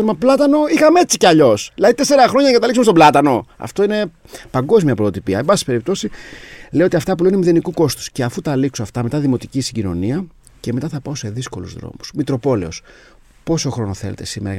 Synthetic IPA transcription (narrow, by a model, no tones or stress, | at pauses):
nmɐplɐt̪ɐno̞ixɐmee̞t͡siceɐʎo̞sðilɐðit̪e̞se̞ɾɐxɾo̞ɲɐnɐŋɡɐt̪ɐliksumest̪oblɐt̪ɐno̞ɐ̰ft̪ine̞ | pɐŋɡo̞zmiɐpɾot̪ot̪ipiɐebɐsi̥pe̞ɾip̚t̪o̞sile̞io̞t̪iɐft̪ɐp̬ule̞nimiðe̞nikuko̞st̪u̥sceɐfut̪ɐliksoɐft̪ɐme̞t̪ɐðimo̞t̪icisiɟino̞̰niɐ | ce̞me̞t̪ɐθɐpɐo̞se̞ðisko̞lṵzðɾo̞̰musmit̪ɾo̞po̞le̞o̞s | po̞so̞xɾo̞no̞θelḛt̪esimeɾɐ̰